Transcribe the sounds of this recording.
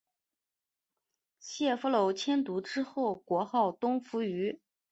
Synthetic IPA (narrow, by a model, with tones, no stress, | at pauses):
ɕjɛ˥˩fu˧˥lo˧˥ʊt͡ɕʰjɛ˥nt̪u˧˥ʈ͡ʂɻ̩˥xo˥˩ʊkwɔ˧˥xɑ˥˩ʊt̪ʊ˥ŋfu˧˥y˧˥